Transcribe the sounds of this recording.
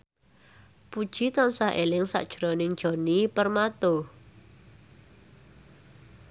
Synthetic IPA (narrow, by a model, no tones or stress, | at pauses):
pud̥ʒ̥i̤t̪ansaɦʔelɪŋsa̰ʔd̥ʒ̥ɾɔnɪŋd̥ʒ̥ɔ̤nipərmat̪o